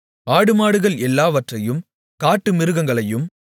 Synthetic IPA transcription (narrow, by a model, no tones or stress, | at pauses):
aːɽɯmaːɽɯɣɐɭɛlːaːʋɐʈrɐjɯm | kaːʈːɯmɪɾɯɣɐŋɡɐɭɐjɯm